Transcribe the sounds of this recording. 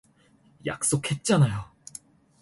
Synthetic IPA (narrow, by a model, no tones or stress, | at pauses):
ja̰k̚s͈okʰhe̞t̚t͡ɕ͈anajo